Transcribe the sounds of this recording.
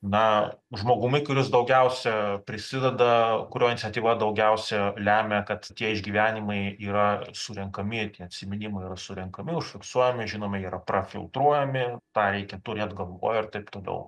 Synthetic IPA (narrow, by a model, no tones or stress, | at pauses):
nɐ | ʒmoːɡʊmʲɪkʊɾʲɪsd̪ɐʊɡʲɛʊsʲɛpʲɾʲɪsʲɪd̪ʲɛd̪ɐkʊɾʲoːɪnʲɪt͡sʲɛt̪ʲiːʋɐd̪ɐʊɡʲɛʊsʲɛlʲæːmʲɛkɐt̪t̪ʲiɛɪʒʲɡʲiːʋʲæːnʲɪmɐɪiːɾɐsʊɾʲɛŋkɐmʲɪt̪ʲiɛɐt̪ʲsʲɪmʲɪnʲɪmɐɪiːɾɐsʊɾʲɛŋkɐmʲɪʊʃʲfʲɪksuɔjɛmʲɪʒʲɪnoːmʲɛjiːɾɐprɐfʲɪ̰lˠt̪ɾuɔjɛmʲɪt̪ɑːɾʲɛɪkʲɛt̪ʊɾʲeɐd̪ɡɐlˠʋo̰ːjɛɪrt̪ɐɪpt̪oːlʲɛ̰ʊ